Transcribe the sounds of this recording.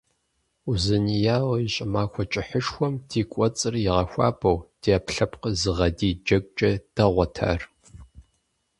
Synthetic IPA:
uzɨnijaːwiɕʼɪmaːkʷɔt͡ʃʼɪħəʂxʷɔmtʰiːkʷʼɔt͡sʼɨrɪʁɐxʷɑ̰ːbʰʼɐwd̥iaːpɬɐpqəzɨʁɐdiːd͡ʒɐkʷʼt͡ʃʼɐd̥ɐʁʷɔtʰa̰ːr

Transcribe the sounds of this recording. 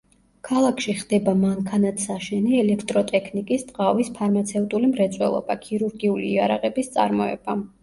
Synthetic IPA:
kʰalˠakʰʃiχd̪ɛbamaŋkʰanat̪ʰsaʃɛniɛlɛkʰt̪ʼɾɔt̪ʼɛkʰnikʼist̪ʼqavispʰaɾmat̪sʰɛvt̪ʼulimɾɛt̪sʼwɛ̰lˠɔ̰bakʰiɾuɾɡiulḭːaɾaʁɛbist̪sʼa̰ɾmɔɛ̰b̥a

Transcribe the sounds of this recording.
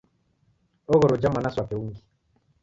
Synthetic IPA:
ɔɣɔɾɔd͡ʒamanaswapɛuŋɡi

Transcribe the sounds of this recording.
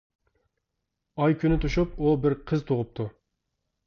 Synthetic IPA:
ɑjkʲʰynɪt̪ʰuʃupubɪɾqʰəzt̪ʰoʁʊp̚t̪ʰu

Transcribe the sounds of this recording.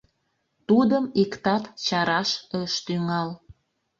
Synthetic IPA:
t̪ud̪əmikt̪ɑt̪t͡ɕɑɾɑʃəʃt̪yŋɑl

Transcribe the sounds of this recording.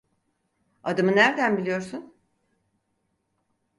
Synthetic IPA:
ad̪ɯmɯnæɾd̪ænbilʲijo̞ɾsun

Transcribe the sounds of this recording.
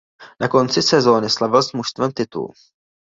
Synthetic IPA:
nako̞nt͡sɪsɛzo̞ːnɪslavɪlsmuʃst̪vɛmt̪ɪt̪ṵl

